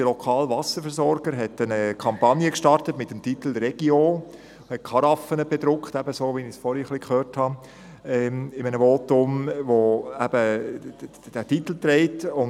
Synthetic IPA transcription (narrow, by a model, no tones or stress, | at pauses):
dəlɔkʰɑːlvɑsəɾfɛɾsɔɾɡ̥əɾɦɛtənəkʰɑmpɑnjəkʃtɑrtətmɪtːəmtitl̩ɾɛɡ̥io | hɛt̚kʰɑɾɑfənəbed̪ɾʊkχtæbəsoːʋinisfɔɾiχlikχøːɾthɑ | ɛɪmənəvotʊmvoæb̥ə | d̥ætit̪l̩t̪ɾɛɪtʊn